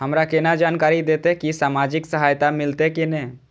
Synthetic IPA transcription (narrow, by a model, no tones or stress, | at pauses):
ɦəmɾakenad͡ʒaːnkaːɾid̪eːt̪eɛkisaːmaːd͡ʒɪksəɦaːjt̪amɪlt̪ekinɛ̃ː